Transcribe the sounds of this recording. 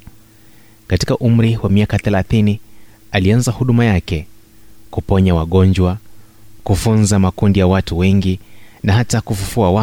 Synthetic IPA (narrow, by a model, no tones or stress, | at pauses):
kati̥kaʔum̩ɾiwamiakaθɛlaθini | alianzahuɗumajakɛkupɔɲawaɠɔɲd͡ʒwa | kufunzamakundijawatuwɛŋɡinaɦatakufufuawa